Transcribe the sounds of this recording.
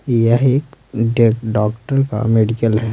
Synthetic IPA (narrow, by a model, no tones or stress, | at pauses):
jəɦeːkɖekɖɔːkʈəɾka̰meːɖikəlɦɛː